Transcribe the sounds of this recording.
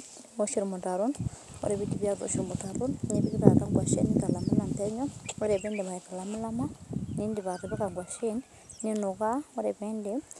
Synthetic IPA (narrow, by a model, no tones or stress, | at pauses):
oʃiɾimutaɾuno̰ɾeβitiβjato̰ʃiɾimutaɾunɲiβikita̰kaŋɡwaʃḭnikalamulamteɲooɾeβindemaikalamulamaniːndiβatiβikaŋɡwaʃin | ninukaoɾeβiːndi